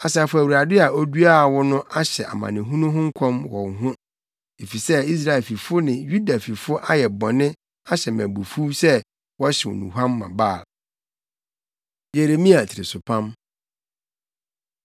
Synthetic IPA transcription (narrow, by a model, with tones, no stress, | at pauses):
a˨sa˨fʊ˨˦æ˨wu˨ɾa˨dɪ˦a˨o˦du˦a˦˨wɔ˦nʊ̃˦ʔa˦ɕɛ˨ʔa̰˨mã̰˨nɪ̃˨ɦũ˦nʊ̃˦ɦʊ̃˦ŋ̩˦kʷʰɔ̃˦mwɔ̰̃˨ŋɦʊ̃˦ | e˨fi˨sɛ˦i˦s̬ɾa˨ɛ˨lfi˨fʊ˦nɪ̃˨ju˦da˨fi˨fʊ˦ʔa˦jɛ˨bɔ˨nɪ̃˦ | a˦ɕɛ˨mæ̰̃˨bu˨fu˦sɛ˦ | wɔ˦ɕɛ˨wɔ̰˨nṵ̃˨ɦã˦mːã̰˨baː˦˨ | je˨ɾe˨mĩ˦a˨tʰɪ˨ɾɪ̰˨sʊ˨pʰã˦m